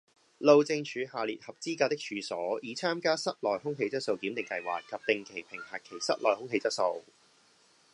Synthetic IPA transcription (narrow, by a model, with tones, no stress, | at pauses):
lo˨˧wt͡sɪ˧ŋt͡ʃʰyː˨˧haː˨liː˨t̚hɐ˨p̚t͡siː˥kaː˧t̪ɪ˥k̚t͡ʃʰyː˨˧sɔː˨˥jiː˨˧˥t͡sʰaː˥mkaː˥sɐ˥t̚lɔː˨jhʊ˥ŋɦe˧jt͡sɐ˥t̚so˧wkiː˨˥mt̪ɪ˨ŋkɐ˧jwa̰ː˨t̚kɐ˨˩p̚t̪ɪ˨ŋkʰe˨˩jpʰɪ˨˩ŋhɐː˨˩kʰːe˨˩jsɐ̰˥t̚lɔː˨˩jhʊ˥ŋɦe˧jt͡sɐ˥t̚so˧w